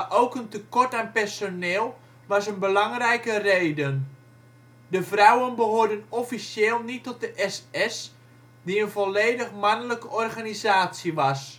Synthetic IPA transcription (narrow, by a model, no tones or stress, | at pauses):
ʔowkəntəkɔrtaːnpɛrsonɪːlˠ | ʋɑsənbəlɑŋrɛjkəreːdən | dəvrawənbəɦoːrdənɔfisjɪːlˠnitːɔt̚dəʔɛsɛs | diənvɔleːdəχmanələkəʔɔrχanizaːtsjiʋɑs